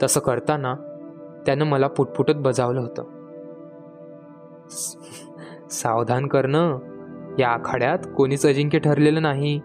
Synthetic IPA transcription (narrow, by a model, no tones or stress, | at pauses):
t̪əsəːkəɾt̪anat̪janːəməlapuʈ̚puʈət̪̚bəd͡zaʋləɦot̪ə̰ː | saʋd̪ʱankəɾɳə | jaːkʰaɽjat̪koɽ̃iːt͡səd͡ʑiŋkeʈʰəɾleləːnaɦi